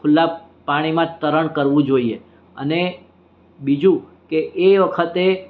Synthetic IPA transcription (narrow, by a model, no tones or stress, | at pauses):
kʰʊlːa | paɽ̃imãt̪əɾəɳkəɾʋũd͡ʒoie | ə̰ne | bid͡ʒũ | keʔːʋəkʰət̪e